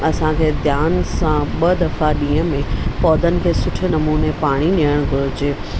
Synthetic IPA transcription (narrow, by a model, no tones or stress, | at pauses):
ɐsãkʰeːd̪ʱjaːnsãɓɐd̪ɐfaɗĩːə̃mẽpɔːd̪ʱənɪ̆kʰeːsʊʈʰenɐmuːnepaːɽ̃iɗijəɽ̃ɡʱʊɾʊd͡ʑeː